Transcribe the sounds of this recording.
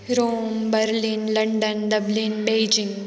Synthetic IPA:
ɾoːmbɐɾlĩnlɐɳɖɐnɖɐblĩnbeːd͡ʒɪ̃ŋɡ

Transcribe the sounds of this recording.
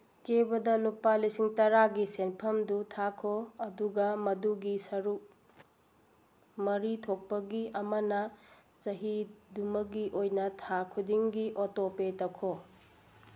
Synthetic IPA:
kebɐdɐlupalisiŋtɐɾaɡisenpʰɐmdutʰakʰoɐduɡɐmɐduɡisɐɾuk̚ | mɐɾitʰok̚pɐɡiʔɐmɐnɐsɐɦidumɐɡiʔojnɐtʰakʰudiŋɡiʔotopetɐkʰo

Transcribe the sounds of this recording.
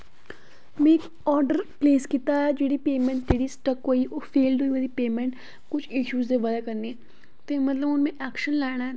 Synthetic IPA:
mẽːk | ɔːɾɖəɾpleːskit̪aːɛd͡ʒeːɽiːpeːmɛ̃ːɳʈd͡ʒeːɽiːsʈəkɦoːiːʔoːpʰeːlɖɦoːiːəd̪iːpeːmɛ̃ɳʈ | kʊt͡ʃʰɪʃuːzd̪eːʋəd̪aːkəɾneɛː | t̪eːmət̪ləbʊnmẽːʔɛːkʃənlɛːɽ̃aː

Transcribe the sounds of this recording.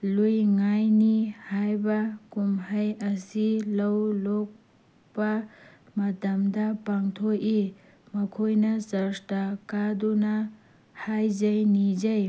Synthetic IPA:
lujŋajnihajbɐkumhɐjɐsilɐwlɔk̚ | bɐmɐdɐmdɐpaŋtʰoi | mɐkʰojnɐsɐɾstakaduna | hajzɐjnid͡ʒɐj

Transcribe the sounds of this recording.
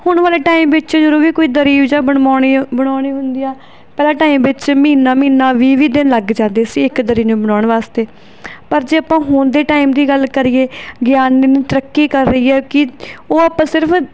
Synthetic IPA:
hʊɳʋaːleːʈaːimʋɪt͡ʃd͡ʒəɾuːɾiːkoːiːd̪əɾiːʋd͡ʒaːbəaːibəɽ̃aːɳ̃iːɦʊnd̪iːaː | pɛːlãːʈaːimʋɪt͡ʃmiːnaːmiːnãːʋiːʋiːd̪ɪnləɡd͡ʒãːnd̪eːsiːɪkd̪əɾiːnũːbəɽ̃aːɳʋaːst̪eː | pəɾd͡ʒeːaːpãːɦʊːnd̪eːʈaːiːmd̪iːɡəlkəɾiːeːɡjaːnːenĩːt̪əɾəkːiːkəɾːəiːɛːkɪoːaːpãːsɪɾəpʰ

